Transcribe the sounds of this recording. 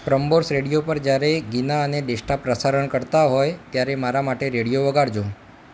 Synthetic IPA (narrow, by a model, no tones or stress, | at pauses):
pɾəmboɾsɾeɽijopəɾd͡ʒjaɾeɡinaəneɖeʃʈapɾəsaɾəɳkəɾt̪aɦojt̪jaɾemaɾamaʈeɾeɽijoʋəɡaɽd͡ʒõ